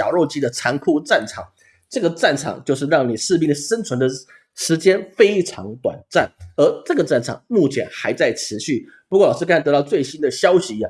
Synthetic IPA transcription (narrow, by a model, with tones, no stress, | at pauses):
ɑ˨˩ʊɻo˥˩ʊt͡ɕi˥d̪ə˨ʈ͡ʂʰa˧˥ŋkʰu˥˧ʈ͡ʂa˥˩nʈ͡ʂʰɑ˨˩ŋ | ʈ͡ʂɤ˥˩ɡə˩ʈ͡ʂa˥˩nʈ͡ʂʰɑ̰˨˩˦ŋt͡ɕjo˥˧ʊʂ̬ɻ̩˥˧ɻɑ˥˩ŋni˨˩ʂɻ̩˥˧pi˥˩ŋə˩ʂə˥nt͡sʰwə˧˥nd̪ə˨ | ʂɻ̩˧˥t͡ɕjɛ˥nfe˥ɪʈ͡ʂʰɑ̰˧˥ŋt̪wa̰˨˩nt͡sa˥˩nə˧˥ʈ͡ʂɤ˥˩ɡə˩ʈ͡ʂa˥˩nʈ͡ʂʰɑ̰˨˩ŋmu˥˩t͡ɕʰjɛ̰˧˥nxa˧˥ɪt͡sa˥˩ɪʈ͡ʂʰɻ̩˧˥ɕy˥˩pu˧kwlɑ˨˩ʊʂ̩˥˧kʰt̪t̪ɑ˧ʊt͡swe˥˩ɪɕi˥˦nd̪ə˨ɕjɑ˥ʊɕi˨˧a˩